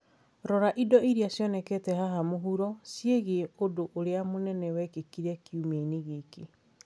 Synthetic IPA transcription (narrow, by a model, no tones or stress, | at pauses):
ɾɔɾaʔidɔiɾiasjɔnɛkɛtɛhaɦamoɦuɾɔsjeɣeodoʔoɾeamonɛnɛwɛkekiɾɛkjumeneɣeke